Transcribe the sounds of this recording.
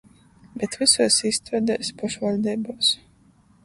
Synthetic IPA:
bɛt̪visuːsist̪ɾad̪ɛːspɔʃvalʲd̪ɛːboːs

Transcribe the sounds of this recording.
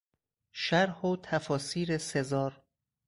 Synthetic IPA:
ʃæɾhoːt̪ʰæfɒːsiːɾesezɒːɾ

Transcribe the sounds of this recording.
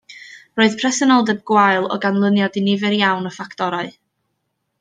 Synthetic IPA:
roːɨð̥pʰrɛsənɔlˠdəb̚ɡ̥wajlˠɔ̰ɡanlˠənjɔdinɪvɛɾjawnəfakʰtɔɾaɨ

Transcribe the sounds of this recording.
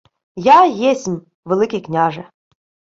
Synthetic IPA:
jajesʲmʲ | ʋelˠɪkʲijknʲaʐɛ

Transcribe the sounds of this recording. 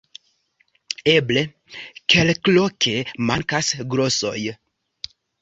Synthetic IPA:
e̞ble̞ | kʰe̞lklokʰe̞maŋkasɡɾo̞so̞̰j

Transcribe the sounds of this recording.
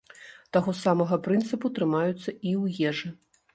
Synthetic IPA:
t̪aɣɔsamɐɣɐpɾɨnt̪sɨput̪ɾɨmajut̪sːɐiwjɛʐɨ

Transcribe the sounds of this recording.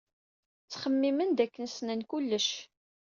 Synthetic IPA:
t͡sːχəmːimənd̪ækːənsnænkulːəʃ

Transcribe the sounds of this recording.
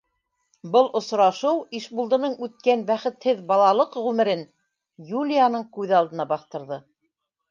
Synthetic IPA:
bɤlˠʔŏsɾɑʃɤwiʃbulˠd̪ɤ̆nɤɴʉt̪̚kænbæχɘ̆t̪hɘðbɑlˠɑlˠɤqʁʉmɘ̆ɾɘn | julʲijanɤɴkʉðɑlˠd̪ɤ̆nɑbɑθt̪ɤ̆ɾðɤ

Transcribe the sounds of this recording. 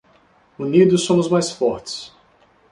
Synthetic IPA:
unid̪ʊsõmʊzmajsfɔɾt͡ʃɪ̥s

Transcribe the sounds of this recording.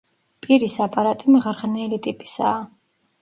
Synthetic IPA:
pʼiɾisapʼaɾat̪ʼimʁɾʁnɛlit̪ʼipʼi̥saː

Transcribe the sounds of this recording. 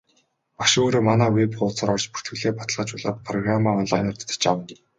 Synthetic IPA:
paʃoːɾoːmanæːwepɢʊːt͡sə̆ɾɔrt͡ɕpu̥r̥t̪ɡɘ̆ɮeːpat̪ə̆ɮʁə̆t͡ɕʊɮə̆ːt̪̚pʰrɔɣramaːɔnɮajnə̆rt̪ʰt̪t͡ɕawə̆n

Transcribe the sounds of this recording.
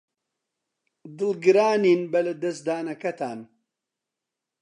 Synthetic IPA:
d̪ɨlɡɨɾaːniːnbɐlɐd̪ɐsd̪aːnɐkɐt̪aːn

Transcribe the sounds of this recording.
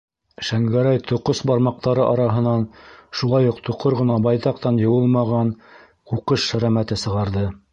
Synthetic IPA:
ʃæŋɡæɾæjt̪ʰŏqosbɑɾmɑq̚t̪ɑɾɤʔɑɾɑɦɤ̆nɑnʃulˠɑjuqt̪ʰŏqʰoɾʁɤ̆nɑbɑjt̪ɑq̚t̪ɑnjɤ̆wɤlˠmɑʁɑn | quqɤʃʃæ̆ɾæmæt̪ɘsɤ̆ʁɑɾðɤ

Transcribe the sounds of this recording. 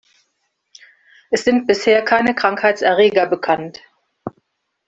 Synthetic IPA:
ʔɛsz̥ɪnt̚b̥ɪsheːɐkʰaɪnəkʁ̥aŋkhaɪt͡sʔɛɐʁeːɡɐbəkʰant

